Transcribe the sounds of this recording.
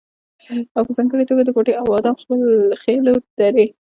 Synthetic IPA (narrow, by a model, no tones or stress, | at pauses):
awpəzɑŋɡəɽet̪oɡad̪əkoʈeʔawɑd̪ɑmxpəlxelod̪̥aɾe